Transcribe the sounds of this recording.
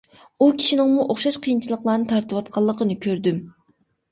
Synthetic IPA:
ukʲʰi̥ʃinɪŋmuʔoχʃɑʃqʰijint͡ʃʰilˠəqlˠɑːnɨt̪ʰɑɾt̪ɨwɑt̪̚qʰɑlˠːəqənɨkʲʰøɾd̪ym

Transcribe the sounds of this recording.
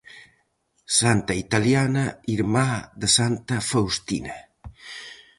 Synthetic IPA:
sant̪ait̪aljanaiɾmaðəsant̪ɐfawst̪ina

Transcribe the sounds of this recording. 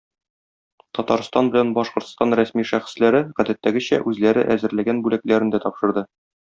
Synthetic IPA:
t̪ɒt̪ɑɾst̪ɑnbɘ̆lænbɒʃqŏɾt̪st̪ɑnɾæsmiʃæχɘ̥̆slæɾɘʁæd̪æt̪ːæɡɘɕæ̰ʔʉzlæɾɘ̰ʔæzɘ̆ɾlæɡænbʉlæklæɾɘ̆nd̪æt̪ɒpʃɤ̆ɾd̪ɤ

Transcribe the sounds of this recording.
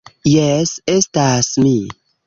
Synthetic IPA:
jɛsestasmi

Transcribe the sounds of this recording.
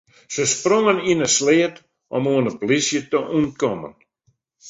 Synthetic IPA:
səsproŋəninəsleːət | ʔɔmuənəplisjətəʔunkɔmə̰n

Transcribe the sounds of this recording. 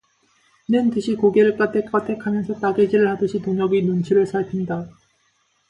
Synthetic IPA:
nɯntɯɕʰikoɡeɾɯɭk͈atʰek͈atʰekʰamjʌnsʰʌt͈aɡed͡ʑiɾɯɭhadɯɕʰitoŋʌɡinunt͡ɕʰiɾɯɭsʰaɭpʰinda

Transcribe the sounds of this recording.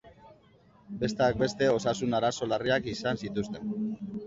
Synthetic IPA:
be̞st̪eak̚be̞st̪e̞o̞sasunaɾaso̞lariakisansit̪ust̪e̞n

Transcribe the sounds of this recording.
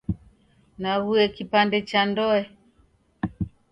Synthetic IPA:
naɣuɛkipandɛt͡ʃandɔɛ

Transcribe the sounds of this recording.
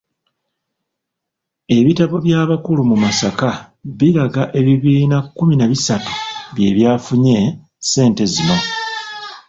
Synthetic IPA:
e̞βitaβo̞βjaːβakulumumasaka | βiɾaɡaʔe̞βiβiːnakːuminaβisatu̥βje̞ːβjaːfuɲe̞ | se̞ːnte̞zimo

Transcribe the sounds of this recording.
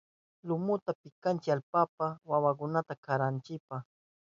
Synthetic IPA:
lʊmʊt̪apɪkant͡ʃɪalpapawawak̬ʊnat̪akaɾant͡ʃɪpaχ

